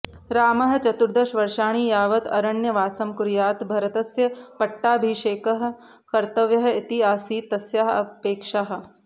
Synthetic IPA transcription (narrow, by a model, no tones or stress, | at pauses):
ɾaːmɐɦɐt͡ʃɐt̪uɾd̪ɐʃʋɐɾʃaːɽ̃iːjaːʋɐt̪ɐ̰ɾɐɳjɐʋaːsɐmkuɾjaːt̪bʱɐɾɐt̪ɐsjɐpɐʈːaːbʱiːʃeːkɐɦ̆ | kɐɾt̪ɐʋjɐɦɐɪt̪iaːsiːt̪ːɐsjaɦɐ̰peːkʃaːɦɐ̆